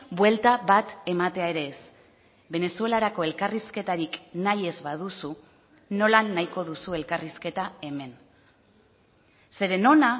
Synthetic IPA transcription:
bwe̞lt̪aβat̪e̞mat̪e̞ae̞ɾe̞ːs | be̞ne̞sue̞laɾako̞e̞lkariske̞t̪aɾiknaje̞zβað̞usu | no̞lanːajko̞ðusue̞lkariske̞t̪ae̞me̞n | se̞ɾe̞no̞na

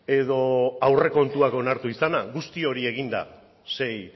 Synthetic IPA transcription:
e̞ðo̞awre̞ko̞nt̪uako̞naɾt̪uisanaɣust̪io̞ɾie̞ɣ̞ind̪a̰ | se̞j

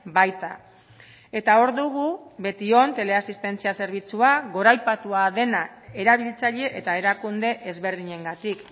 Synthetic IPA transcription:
bajt̪a̰ | e̞t̪ao̞ɾðuɣ̞uβe̞t̪io̞nt̪e̞le̞asist̪e̞nt͡siase̞ɾβ̞it͡suaɣo̞ɾajpat̪uaðe̞nae̞ɾaβ̞ilit͡saʎe̞ʔet̪ae̞ɾakund̪e̞ʔezβe̞ɾðiɲe̞ŋɡat̪ik

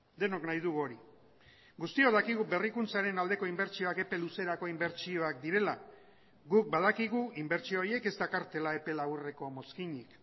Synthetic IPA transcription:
d̪e̞no̞knajðuɣo̞ɾi | ɡust̪io̞ð̞akiɣube̞rikunt͡saɾe̞nald̪e̞ko̞imbe̞ɾt͡ʃio̞ake̞pe̞luse̞ɾako̞imbe̞ɾt͡ʃio̞akd̪iɾe̞la | ɣuk̚bað̞akiɣuimbe̞ɾt͡ʃio̞ɾje̞ke̞zd̪akaɾt̪e̞lae̞pe̞laβure̞ko̞mo̞skiɲik

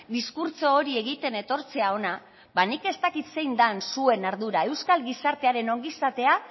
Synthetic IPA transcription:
d̪iskuɾt͡so̞ːɾie̞ɣ̞it̪e̞ne̞t̪o̞ɾt͡se̞ao̞na | banike̞st̪akit̪se̞jnd̪ansue̞naɾðuɾae̞wskalɡisaɾt̪eaɾe̞no̞ŋɡisat̪e̞a

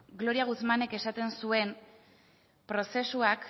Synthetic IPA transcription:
ɡlo̞ɾiaɣut͡smane̞ke̞sat̪e̞nsue̞m | pɾo̞se̞suak

